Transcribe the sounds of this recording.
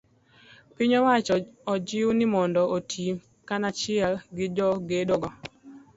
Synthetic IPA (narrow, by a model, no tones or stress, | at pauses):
pɪɲɔwat͡ʃɔd͡ʒɪwnɪmɔndɔʔotʰi | kanat͡ʃɪalɡɪd͡ʒɔɡedoɡɔ